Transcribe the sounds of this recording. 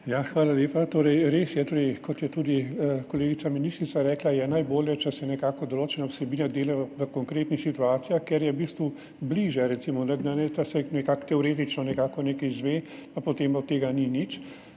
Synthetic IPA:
jaxʋaːlaljeːpat̪oːɾɛjɾeːsjɛt̪oːɾɛjkɔt̪jɛt̪uːd̪ikoleːɡit̪aminist̪ɾit̪saɾɛːklajɛnajboːljɛt͡ʃɛsɛnɛkaːkɔd̪oloːt͡ʃɛnawsɛbiːnad̪eːlɛʋəkɔŋkɾeːt̪nixsit̪uaːt̪sijaxkɛɾjɛwbiːst̪ʋu | bliʒjɛɾɛt̪siːmɔnɛd̪anɛt͡ʃasɛnɛkaːkt̪ɛɔɾeːt̪it͡ʃnɔnɛkaːkɔneːkɛjzʋeːpapot̪eːmɔt̪ːeːɡaninit͡ʃ

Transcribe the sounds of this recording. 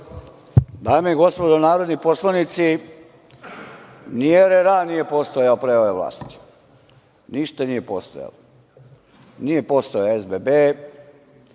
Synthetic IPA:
d̪aːmieɡo̞spod̪onaːɾod̪niposlˠanit̪si | nieɾeɾanije̞post̪ojaopɾeoʋeʋla̰ːst̪i̥ | niʃt̪anijepost̪o̰ja̰lo | nije̞post̪ojezbebe

